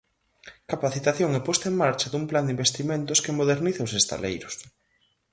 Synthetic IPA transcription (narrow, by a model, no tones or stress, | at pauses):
kapaθit̪aθjoŋɛpɔst̪aeŋmaɾt͡ʃɐðumpland̪imbest̪imẽnt̪ʊskemoðeɾniθaosest̪a̰lḛjɾʊs